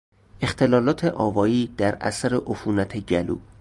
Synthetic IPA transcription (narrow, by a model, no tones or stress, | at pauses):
e̞xt̪ʰe̞lɒːlɒːt̪ʰeʔɒːvɒːjiːd̪̥æɾʔæ̰sæɾeʔofuːnæt̪ʰeɟælṵː